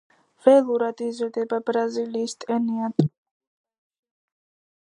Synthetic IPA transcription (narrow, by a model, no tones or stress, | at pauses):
vɛlˠuɾad̪izɾd̪ɛbabɾaziliːst̪ʼɛniat̪ʼ